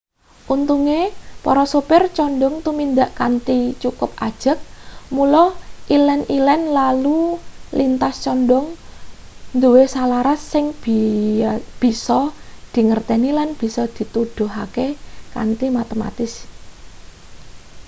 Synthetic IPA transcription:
ʔunt̪uŋepɔɾɔsupɪrt͡ʃɔnɖɔŋt̪umind̪aʔkant̪it͡ʃukʊp̚a̰d̥ʒ̥ə̤k̚mulɔhʔilɛnilɛnlalulint̪ast͡ʃɔndɔŋ | nd̪uwesalaɾasːɪŋb | b̥i̤sɔd̪̥i̤ŋərt̪ɛnilanb̥i̤sɔd̪̥i̤t̪ud̪̥ʊ̤ɦakeka̰nt̪imat̪əma̰t̪ɪs

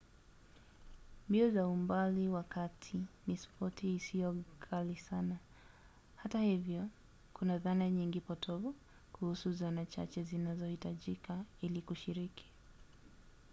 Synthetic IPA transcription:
mbiɔzaumbaliwakatʰinispɔtʰiːsiɔkʰalisana | hatahivjɔ | kʰunaðanaɲiŋɡipɔtʰɔvɔ | kuhusuzanat͡ʃa̰t͡ʃɛzinazɔhitaʄikailikuʃiɾiki̥

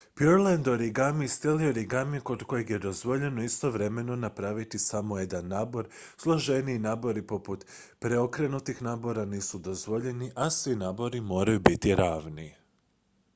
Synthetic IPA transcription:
pjoɾlend̪oɾiɡamist̪jelioɾiɡamiko̞d̪ko̞jeɡje̞d̪o̞zʋo̞ʎe̞noist̪o̞ʋɾe̞me̞no̞napɾaʋit̪isamo̞je̞d̪anːaːbo̞ɾ | slˠo̞ʒe̞niːnaːbo̞ɾipo̞put̪ | pɾeo̞kɾe̞nut̪ixnaːbo̞ɾaniːsud̪o̞zʋo̞ʎe̞niʔasʋinaːbo̞ɾimo̞ːɾajubit̪iɾaːʋnḭ

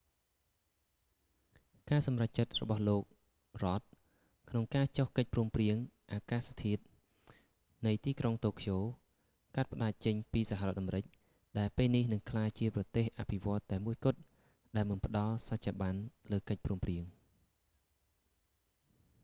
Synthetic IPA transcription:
kaːsɑmrac̚t͡ɕət̪̚rɔ̰ɓɑhloːk̚ | rŏət̪̚ | kʰnoŋkaːt͡ɕohkəc̚pruəmpriəŋʔaːkaːst̪ʰiət̪̚ | nɨjt̪iːkroŋt̪oːkʰjoː | kat̪̚pə̆ɗaːc̚t͡ɕəɲpiːsaɦarŏɔət̪ʔamɾɨc̚ | ɗaɛlpeːlnihnɨŋkʰlaːjt͡ɕiəprɑt̪eːhʔa̰pʰiʋŏət̪ːaɛmuəjkʊ̆t̪̚ | ɗaɛlmɨnpə̆ɗɑlsac̚t͡ɕʰaːɓanləːkəc̚pruəmpriəŋ

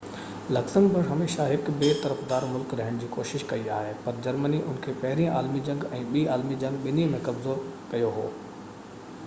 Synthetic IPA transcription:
lɐksəmbɪɽɦɐmeːʃaɦɪkbeːt̪ɐɾəfd̪aːɾmʊlkɾɐɦɪɽ̃d͡ʑiːkoːʃɪʃkɐia̰ːɦepɐɾd͡ʑɐɾməniʔʊnkʰeːpɐɦɪɾĩaːlmid͡ʑɐ̃ŋɡɛ̃ːɓiːaːlmid͡ʑɐ̃ŋɡɓɪnimẽkɐbzoːɾkɐjoɦo̰ː

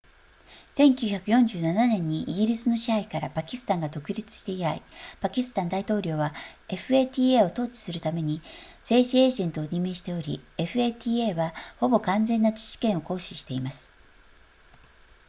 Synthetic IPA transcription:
sẽ̞ŋkʲɨːçakɯ̟jõ̞ɲ̟d͡ʑɨːnananẽ̞ɲ̟ːiʔiɡʲiɾʲisɨno̞ɕihaikaɾapakʲisɨ̥t̪ãŋɡad̪o̞kɯ̟ɾʲit͡sɨ̥ɕi̥t̪e̞iɾaḭpakʲisɨ̥t̪ãnd̪ait̪o̞ːɾʲo̞ːβae̞ɸɯ̟e̞ːt̪ʲiːeːo̞t̪o̞ːt͡ɕi̥sɨɾɯ̟t̪ame̞ɲ̟i | z̥e̞ːʑie̞ːʑẽ̞nt̪o̞ːɲ̟ime̞ːɕi̥t̪e̞o̞ɾʲḭe̞ɸɯ̟eːt̪ʲiːe̞ːβaho̞bo̞kãnd͡zẽ̞nːat͡ɕi̥ɕi̥kẽ̞ɰ̃o̞ko̞ːɕiɕi̥t̪e̞imasɨ̥

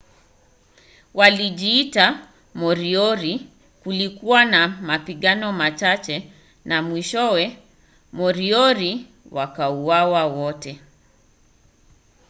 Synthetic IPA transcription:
waliʄiːta | mɔɾiɔɾi | kulikuwanamapiɠanɔmat͡ʃat͡ʃɛ | namwiʃɔwɛ | mɔɾiɔɾi | wakauwawawɔtɛ

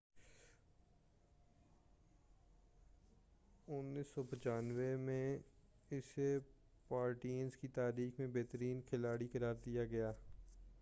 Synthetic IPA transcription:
ʊnːiːsɔːpət͡ʃaːnʋemẽ | ɪs | paːɾʈiːənzkit̪aːɾiːxmẽbeːt̪əɾiːnkʰɪlaːɽikəɾaːɾd̪ijaɡɐjaː

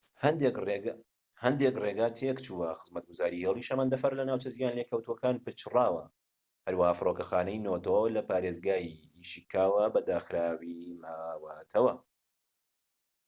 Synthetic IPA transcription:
d̪e | hɐnd̪ekreːɡaːt̪ʰeːkt͡ʃʰuwɐxɨzmɐt̪̚ɡuzaːɾiheːlˠiʃɐmand̪ɐfɐɾlɐnaːwt͡ʃɐzijaːnlekʰɐwt̪uwɐkaːnpɨt͡ʃrɑːwɐ̰ | hɐɾwɐhaːfɨroːkɐxaːnɛjnot̪ʰolɐpaːɾeːzɡaːji | iʃikʰaːwɐbɐd̪aːxɾaːwimaːwaːt̪ʰɐwɐ

